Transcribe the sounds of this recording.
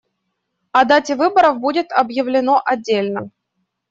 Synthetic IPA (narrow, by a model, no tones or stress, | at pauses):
ɐd̪atʲɪvɨbəɾəvbudʲɪt̪ɐbjɪvlʲɪno̞ʔɐdʲːelʲnə